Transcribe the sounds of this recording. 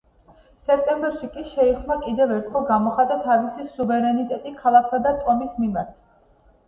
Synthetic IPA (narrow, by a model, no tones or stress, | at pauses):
sɛk̚ʰt̪ʼɛmbɛɾʃikʼiʃɛiχnakʼid̪ɛvɛɾt̪ʰχɛlˠɡamɔχat̪ʼat̪ʰavisisuvɛɾɛnit̪ʼɛt̪ʼikʰalˠakʰsad̪at̪ʼɔmismimaɾt̪ʰ